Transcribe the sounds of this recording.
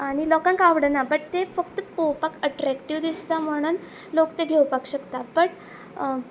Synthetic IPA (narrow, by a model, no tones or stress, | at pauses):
aɽ̃ilɔkãŋkaʋɽənapəɽt̪efəkt̪əpowpakəʈɾækʈiʋd̪ist̪am̤əɽ̃uːn | lokt̪eɡʱewpakɕəkt̪apəɽ